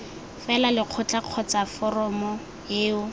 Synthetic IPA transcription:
fɛlalɪq͡χʰɔt͡ɬʼaq͡χʰɔt͡safɔrɔmɔ | eːʊ

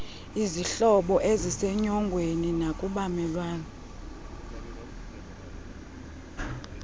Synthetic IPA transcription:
iziɬɔɓɔʔezisɛɲɔŋɡʱweninakʼuɓamɛlwaːnɔ

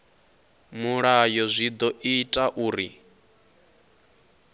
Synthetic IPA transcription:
muɺajɔzʷid̪ɔʔitʼaʔuːɾi

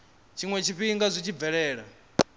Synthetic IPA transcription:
t͡ʃʰiŋwɛt͡ʃʰiɸiŋɡazʷit͡ʃʰib̪vɛɺɛːɺa̰

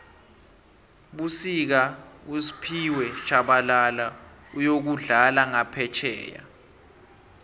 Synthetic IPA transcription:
ɓusik̬ausi̥pʰiwɛt͡ʃʰʼaɓalalaujok̬uɮalaŋapʰɛt͡ʃʰɛ̰ːja̰

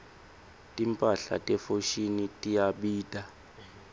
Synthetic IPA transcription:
tʼimpʼaɬa̰tʼɛfoʃinitʼijaɓiːtʼa

